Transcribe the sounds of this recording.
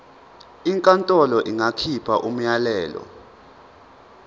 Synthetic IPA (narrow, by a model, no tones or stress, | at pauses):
iŋkʼantʼɔlɔʔiŋakʰipʰaʔum̩jalɛːlɔ̰